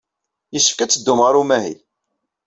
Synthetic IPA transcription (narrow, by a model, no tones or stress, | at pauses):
jəsːə̥fkæt͡sːəd̪ːʊmʁəɾˤumæɦḭ